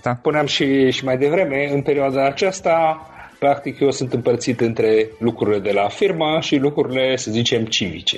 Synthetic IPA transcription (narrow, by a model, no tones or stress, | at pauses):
puneamʃiʃimajd̪e̞vɾe̞me̞ɨnpe̞ɾioad̪aːt͡ʃast̪a | pɾak̚t̪ikjeosɨnt̪ɨmpərt̪sit̪ɨnt̪ɾe̞lukɾuɾile̞d̪e̞lafirməʃilukɾuɾile̞səzit͡ʃe̞mt͡ʃivḭt͡ʃe̞̰